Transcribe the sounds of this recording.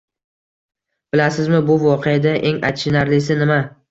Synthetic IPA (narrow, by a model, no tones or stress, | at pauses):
b̥ɪlasɪzmɪbʊvɒqʰejad̪aʔeŋa̰t̪t͡ʃːɪnaɾlɪsɪnɪma